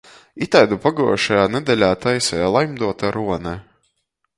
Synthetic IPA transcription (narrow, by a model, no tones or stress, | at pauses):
it̪ajd̪upaɡuɔʃajaːnɛd̪ɛlʲaːt̪ajsɛlˠajmd̪uɔt̪aɾuɔnɛ